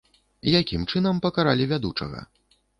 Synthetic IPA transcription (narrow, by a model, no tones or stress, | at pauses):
jakʲimt͡ʂɨnɐmpɐkaɾalʲivʲad̪ut͡ʂɐ̰ɣɐ̰